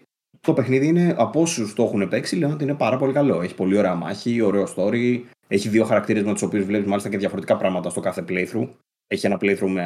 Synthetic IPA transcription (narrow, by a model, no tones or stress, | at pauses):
t̪o̞pe̞xniðiine̞ʔɐpo̞sust̪ooxune̞pe̞ksileono̞t̪iine̞pɐɾɐpo̞likɐlo̞e̞çi̥po̞lio̞ɾe̞ɐmɐ̰çio̞ɾe̞ost̪o̞ɾi | e̞çiðio̞xɐɾɐkt̪iɾe̞zmet̪uso̞piuzvle̞pumɐlisceðʝɐfo̞ɾet̪ikɐpɾɐɣmɐt̪ɐst̪o̞kɐθe̞plejθɾu | e̞çie̞nɐplejθɾume